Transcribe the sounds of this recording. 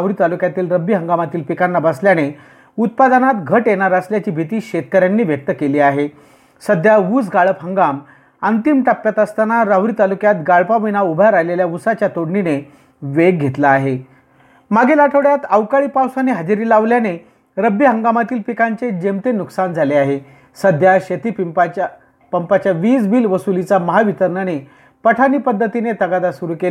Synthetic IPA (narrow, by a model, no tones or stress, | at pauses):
aʋɾit̪alukjat̪iːlɾəbiɦə̃ŋɡamat̪iːlpikanːabəsljane | ut̪̚pad̪anat̪ɡʱəʈjenaɾəsljat͡ɕiːbʱit̪iːɕet̪̚kəɾjanːiːʋjək̚t̪əkeliːaɦe | səd̪ʱjaʋuːd͡zɡaɭəpɦəŋɡam | ənt̪imʈapːjat̪əst̪anaɾaʋɾiːt̪alukjat̪ɡaɭpaʋinaubʱaɾajleljaʋusat͡ɕjat̪oɽɳine | ʋeɡ̚ɡʱet̪laːɦe | maɡʱelaʈʰəʋɽjat̪əʋkaɭiːpawsaneɦad͡ʑɾiːlaʋljane | ɾəbiɦəŋɡamat̪iːlpikaɲt͡sed͡ʑemt̪enuksand͡zʱaleaɦe | səd̪ʱjaɕet̪ipip | pəmpat͡ɕjaʋiːsbiːlʋəsulit͡saməɦaʋit̪əɾɳane | pəʈʰaniːpəd̪ːət̪inet̪əɡad̪asuɾuke